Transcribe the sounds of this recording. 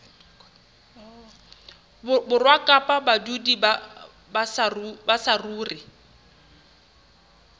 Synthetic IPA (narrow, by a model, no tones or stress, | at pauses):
bʊbʊrwakʼapʼabadudiba | basrbasaruːrɪ